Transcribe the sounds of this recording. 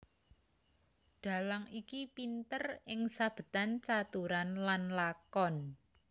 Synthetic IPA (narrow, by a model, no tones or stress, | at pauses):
ɖ̪̥a̤laŋikipint̪ərɪŋsab̥ə̤t̪ant͡ʃat̪uɾanlanlakɔn